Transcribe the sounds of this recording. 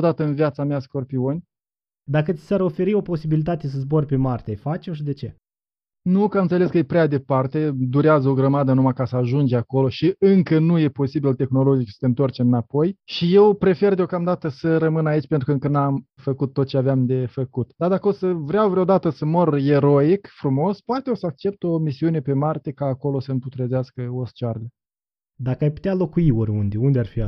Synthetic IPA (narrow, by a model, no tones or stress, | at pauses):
od̪at̪əɨnviat̪sameasko̞rpio̞nʲ | d̪akət̪si̥saɾo̞fe̞ɾio̞po̞sibilit̪at̪e̞s̬əzbo̞rʲpemart̪ʲefat͡ʃoʃid̪e̞t͡ʃe̞̰ | nukamɨnt̪sele̞skəjepɾead̪e̞part̪e̞d̪uɾeazəo̞ɡɾəmad̪ənumakasəaʒund͡ʒeako̞lo̞ʃiɨŋkənuje̞po̞sibilt̪e̞xno̞lo̞d͡ʒit͡ʃsə̥t̪eɨnt̪ort͡ʃeɨnapo̞jʃije̞wpɾe̞fe̞rd̪eo̞kamd̪at̪əsəɾəmɨnait͡ʃʲpent̪ɾukəɨŋkənamfəkut̪ːot̪̚t͡ʃeaveamd̪e̞fəkut̪d̪ad̪akəosəvɾʲeawvɾeod̪at̪əsəmore̞ɾo̞ikfɾumo̞spoat̪eosəak̚t͡ʃe̞p̚t̪o̞misiune̞pe̞mart̪e̞kaːko̞lo̞səɨmput̪ɾezeaskəost͡ʃarlə | d̪akəajpu̥t̪ealo̞kujioɾund̪eund̪ʲearfia